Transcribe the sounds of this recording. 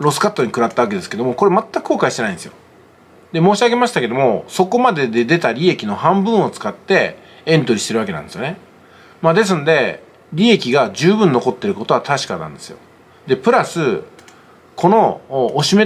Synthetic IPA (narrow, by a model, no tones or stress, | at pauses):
ɾo̞sɨ̥kat̪ːoɲ̟ikɯ̟ɾat̪ːaβaked̪e̞sɨ̥ked̪o̞mo̞ko̞ɾe̞mat̪ːakɯ̟̥koːkaiɕit̪enaĩnsjo̰ | d̪e̞moːɕiaɡe̞maɕi̥t̪ake̞d̪o̞mo̞so̞ko̞mad̪e̞d̪e̞d̪e̞t̪aɾʲie̞kʲino̞hãmbɯ̟̃ɰ̃o̞t͡sɨ̥kat̪ːe̞ | ẽ̞nt̪o̞ɾʲiɕi̥t̪e̞ɾɯβake̞nã̰nd̪e̞sɨjo̞ne̞ | mad̪e̞s̬ɨnod̪e̞ | ɾʲie̞kʲiɡaʑɨːbɯ̟̃nːo̞ko̞t̪ːe̞ɾɯ̟ko̞t̪o̞at̪aɕi̥kanã̰nd̪e̞sɨjo̞̰ | d̪e̞pɯ̟ɾasɨ | kʰo̞no̞ːɕime